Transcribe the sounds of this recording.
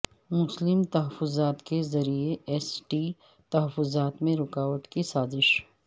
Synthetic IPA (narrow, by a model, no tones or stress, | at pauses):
mʊslɪmt̪ɐɦəfʊzaːt̪kezɐɾieɛsʈi | t̪ɐɦəfːʊzaːt̪mẽɾʊkaːʋət̪kisaːzɪʃ